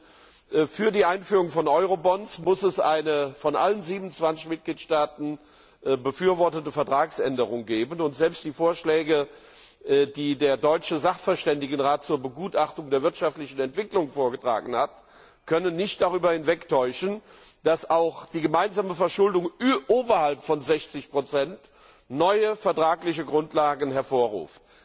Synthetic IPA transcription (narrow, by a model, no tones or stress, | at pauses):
fyːɐdiːʔaɪnfyːʁʊŋfɔnʔɔʏʁobɔnsmʊsɛsʔaɪnəfɔnʔa̰lənziːbmn̩t͡sv̥ant͡sɪçmɪt̚ɡ̥liːtʃtaːtn̩ | bəfyːɐvɔɐtətəfɛɐtʁ̥aːksʔɛndəʁ̞ʊŋɡeːbənʊntz̥ɛlpstd̥iːfoːɐʃlɛːɡə | diːdeːɐdɔʏt͡ʃəzaχfɛɐʃtɛndɪɡənʁaːt̚t͡suːɐbəɡuːtaχtʊŋdeːɐvɪɐtʃaftlɪçn̩ɛntv̥ɪklʊŋfoːɐɡətʁ̥a̰ːɡŋ̩n̩hat | kʰœnənːɪçt̚d̥aʁyːbɐhɪnvɛktʰɔʏʃən̩d̥asaʊxd̥iːɡəmaɪnzaːməfɛɐʃʊldʊŋʔoːbɐhalpfɔnzɛçt͡sɪçpʁ̥ot͡sɛnt | nɔʏəfɛɐtʁ̥aːklɪçəɡʁʊntlaːɡən̩hɛɐfoːɐʁṵːft̚